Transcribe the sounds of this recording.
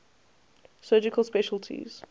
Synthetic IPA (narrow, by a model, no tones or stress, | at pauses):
sɜːd͡ʒɪkəlˠspɛʃəlˠtʰḭz̥